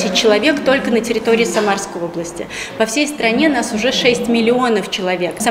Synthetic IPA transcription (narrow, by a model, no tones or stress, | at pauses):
sʲɪt̚ʲt͡ɕːɪlˠɐvʲe̞kt̪o̞lʲkənətʲɪɾʲɪt̪o̞ɾʲɪːsɐmarskəjo̞blˠəsʲtʲɪ̰ | pɐfsʲejst̪ɾɐnʲe̞nasʊʐɛʂɛsʲtʲmʲɪlʲɪo̞nəft͡ɕɪlˠɐvʲe̞ks